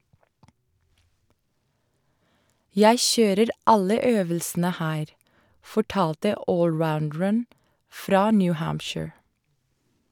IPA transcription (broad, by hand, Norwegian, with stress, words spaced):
ˈjæɪ ˈçøːɾəɾ ˈɑlə ˈøːʋəlsn̩ə ˈhæːɾ fɔˈʈɑːltə ˈoːlˌɹaʊndɹən ˈfɾɑː ˈnjʉ ˈhæːmpʃɪɹ